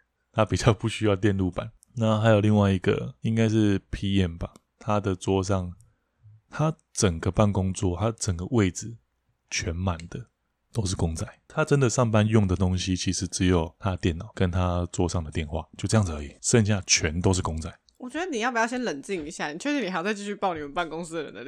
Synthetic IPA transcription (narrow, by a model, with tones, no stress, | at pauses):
t̪ʰa˦˥pi˨˩t͡ɕjɑ˥˧ʊpu˥˩ɕy˥jɑ˥˧ʊt̪jɛ˥˧nlu˥˩pa˨˦n | na˥˩xa˧˥jo˨˩li˥˧ŋwa˥˩ɪi˧˦ɡə̰˨i˦˥ŋka˥ɪʂɻ̩˥˨pʰi˥ɛ˥˩nba˩ | t̪ʰa˦d̪ə˨t͡swɔ˥ʂ̬ɑ˥˩ŋ | t̪ʰa˦ | ʈ͡ʂə˨˩ŋɡə˦pa˥˩nkʊ˥ŋt͡swɔ˥˨t̪ʰa˦ʈ͡ʂə˨˩ŋɡə˦we˥˩ɪd͡zɹ̩˨˩ | t͡ɕʰɥɛ˨˦nma˨˩nd̪ə˦ | t̪o˥ʊʂɻ̩˥˩kʊ˥ŋt͡sa˥˩ɪt̪ʰa˦ʈ͡ʂə˦nd̪ə˨ʂɑ˥˩ŋpa˦njʊ˥˩ŋd̪ə˩t̪o˥ŋɕi˦t͡ɕʰi˧˥ʂɻ̩˧˦t͡sɻ̩˧˦jo˨˩ʊt̪ʰa˦˩t̪jɛ˥˨˩nːɑ˨˦ʊkə˦nt̪ʰa˦t͡swɔ˥ʂɑ˥˩ŋd̪ə˩t̪jɛ˥˧nxwa̰˥˩t͡ɕjo˥˧ʊʈ͡ʂɤ˥˧jɑ˥˩ŋd͡zə˧˦i˨˩ʂə˥˧ŋɕ̬ja˥˨t͡ɕʰɥɛ˨˦nt̪̬o˥ʊʂ̬̩˥˩kʊ˥ŋt͡sa˥˩ɪwɔ˨˩t͡ɕɥɛ˧˦d̪ə˧˩ni˨jɑ˥˩pu˩jɑ˥˩ɕjɛ˥nlə˨˩nt͡ɕi˥˩ŋi˧˥ɕja˥˩ni˨t͡ɕʰɛ˥˩ʂɻ̩˧ni˨˩a˧˥jt͡sa˧t͡ɕi˥˧t͡ɕy˥˧pɑ˥˩ʊni˨˩mə˨npa˥˩nkʊ˥ŋs̩˥d̪ə˨ɻə̰˧˦nd̪ə˧